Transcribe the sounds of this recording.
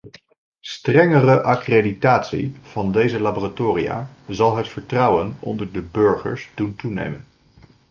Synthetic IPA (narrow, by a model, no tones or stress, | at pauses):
strɛŋərəʔɑkreditaːtsḭv̥ɑndejzəlaːboratoːrija̰ːzɑlˠɦətfəɹtrʌwənɔ̰ndəɹdəbøɹχə̰ɹsduntunḛjmən